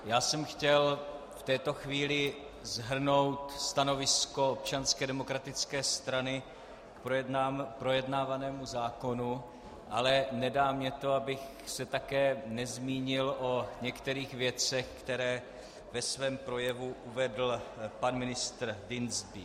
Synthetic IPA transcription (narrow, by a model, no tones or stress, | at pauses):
jaːsɛmxcɛl | ft̪ɛːt̪o̞xviːlɪ | zɦr̩no̞wt̪st̪ano̞vɪsko̞op̚t͡ʃanskɛdɛmo̞kɾat̪ɪt͡skɛːst̪ɾanɪ | kpɾoɛdnaːpɾo̞jɛdnaːvanɛːmuzaːko̞nu | ʔalɛnɛdaːmɲɛt̪o̞abɪx | sɛt̪akɛːnɛzmiːɲɪlʔo̞ɲɛkt̪ɛɾiːxvjɛt͡sɛxkt̪ɛɾɛː | vɛsvɛːmpɾo̞jɛvuʔuvɛdl̩panmɪnɪst̪ɾdɪnzbɪ